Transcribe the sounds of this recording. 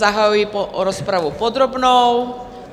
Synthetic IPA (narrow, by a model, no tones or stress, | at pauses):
aɦajuipɔɔɾɔspɾaʋupɔd̪ɾɔbnɔʊ